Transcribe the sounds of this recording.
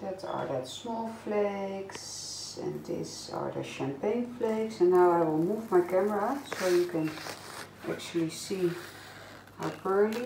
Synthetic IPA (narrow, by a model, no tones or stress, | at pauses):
dɛtə̰ɹdɛtsmɔlˠfleks | ɛ̰̃ndɪ̰s | a̰ɹdə̰ʃæ̃mpẽɪ̃nfleɪksɛ̃nːaʊaɪwɪlˠmuːvmaɪkɛməɹasoʊjukɛ̃n | ʔæ̰k̚t͡ʃul̩ˠisi | a̰pɜ˞li